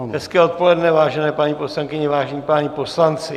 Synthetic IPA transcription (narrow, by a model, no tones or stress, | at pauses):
ɦɛskɛːo̞t̪̚po̞lɛdnɛvaːʒɛnɛːpaɲipo̞slaŋkɪɲɛvaːʒɛɲiːpaɲipo̞slant͡sɪ